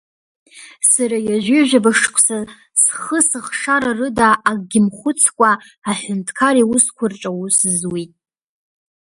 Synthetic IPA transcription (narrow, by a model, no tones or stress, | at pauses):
saɾajaʒʷᶣɪʒʷᶣabaʂkʷʰʼsa | sχəsɨχʂaɾarɨdaʔːɡʼɡʲɪmχʷʊt͡sʰkʷʼaː | ħʷᶣʊntʰkʰaɾiwʊskʷʰʊrʈ͡ʂʼawuszwitʼ